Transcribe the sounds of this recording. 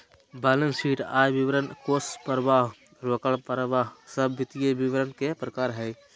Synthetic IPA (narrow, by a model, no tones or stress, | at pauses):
baːlənsiːʈaːjbɪʋəɾənkoːspəɾʋaːɦ | ɾəkəɭpəɾʋaːɦsəbːɪt̪ijeʋɪʋəɾənkepɾəkaːɾɦɛː